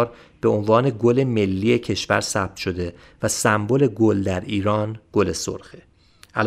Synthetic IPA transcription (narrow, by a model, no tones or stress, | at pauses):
ɾ | b̥eo̞nvɒːne̞ɡole̞me̞lːiːecʰe̞ʃvæɾsæb̚t̪ʃo̞d̪e̞ | væsæmbole̞ɡold̪æɾiːɾɒːnɡ̥o̞le̞so̰ɾxe | ʔæl